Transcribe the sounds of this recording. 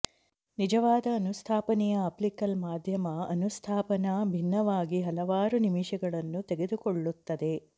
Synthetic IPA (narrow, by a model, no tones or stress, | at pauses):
nid͡ʒɐʋaːd̪ɐːnust̪ʰaːpɐnɛjɐːplikɐlmaːd̪ʱjɐmɐɐnust̪ʰaːpɐnɐbʱinːɐʋaːɡiɦɐlɐʋaːɾunimiʃɐɡɐɭɐnːut̪eɡe̞d̪ukoɭːut̪ːɐd̪e̞